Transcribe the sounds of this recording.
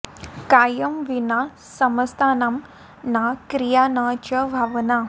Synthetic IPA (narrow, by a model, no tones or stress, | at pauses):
kaːjɐmʋina | sɐmɐst̪ʰaːnam | naːkɾijaːnaːt͡ʃɐbʱɐʋɐna